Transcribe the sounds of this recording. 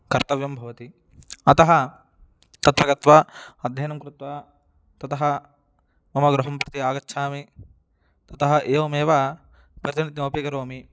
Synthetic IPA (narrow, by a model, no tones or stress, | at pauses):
kɐɾt̪ɐʋjɐmbʱɐʋɐt̪i | ɐt̪ɐɦɐ | t̪ɐt̪ʋɐɡɐt̪ʋaɐd̪ʱjɐːnɐmkɾɪt̪ʋa | t̪ɐt̪ɐɦɐ | mɐmɐɡɾɐɦɐmpɾɐt̪iaːɡɐtːʃʰaːmi | t̪ɐt̪ɐɦɐʔeːʋɐmeːʋa | pɾɐt̪init̪ioːpiːkɐɾoːmi